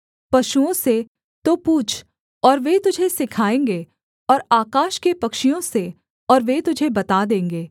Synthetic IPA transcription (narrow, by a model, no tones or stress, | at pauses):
pɐʃuõse | t̪opuːt͡ʃʰ | ɔːɾʋet̪ʊd͡ʒʱesɪkʰaːẽːŋɡeː | ɔːɾaːkaːʃkepɐkʃijõse | ɔːɾʋet̪ʊd͡ʒʱebɐt̪ad̪ẽːŋɡeː